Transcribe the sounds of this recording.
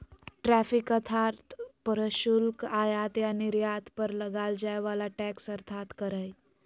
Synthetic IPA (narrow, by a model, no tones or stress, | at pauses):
ʈɾæfikət̪ʰaɾt̪pəɾəɕulkajat̪janiɾjat̪pəɾləɡald͡ʑajʋalaʈæksəɾt̪ʰat̪kəɾəj